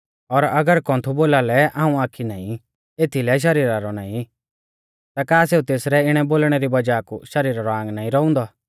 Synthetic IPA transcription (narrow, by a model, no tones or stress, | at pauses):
ɔɾɐɡəɾkɔ̃ːnt̪ʰuboːlalɛaːũaːkʰinaːĩ | eːt̪ʰilɛʃ̬ɐɾiːɾaɾɔnaːĩ | t̪akaːseːut̪eːsɾɛɪɽ̃ɛboːlɽ̃ɛɾibɐd͡ʒaːkṵʃɐɾiːɾaɾɔãːŋɡnaːĩɾɔʊ̃nd̪ɔ